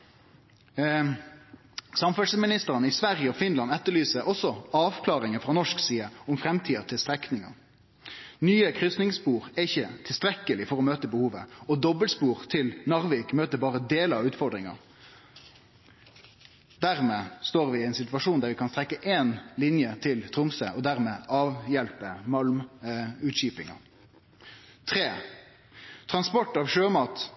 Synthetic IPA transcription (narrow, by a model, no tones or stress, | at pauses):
sɑmfœsəmɪnɪst̪əʁənəɪsʋæʁjəɔfɪnlɑnɛt̪ːəɭyːsəʔɔsɔɑːʋkʰlɑːʁɪŋəfʁɑnɔʂksiːəɔʊmfɾɛmt̪ʰiːɑt̪ʰɪlst̪ɾɛknɪŋɑ̰ | nyːəkʰɾʏsnɪŋspuːʁɛɪçːət̪ʰɪlst̪ɾɛkːəlɪfɔʁɔmøːt̪əbəhuːʋə̰ɔd̪ɔbəlspuːʁt̪ʰɪlnɑʁʋiːkmøːt̪əbɑːʁəd̪eːləɾɑʉːt̪fɔʁɖ̪ʁɪŋɑ̰ | d̪æʁmeːst̪oːʁʋɪɛɪnsɪt̪ʋɑʂuːnd̪æːɾʋɪkʰɑnst̪ʁɛkːəʔeːnlɪnjət̪ʰɪlt̪ʰʁʊmsə̰ʔɔd̪æʁmeːʔɑːʋjɛlpəmɑlmʉːt̪ɕiːpɪŋɑ̰ | t̪ʰʁeː | t̪ʰʁɑnspɔʈːɑːʋʂøːmɑːt̪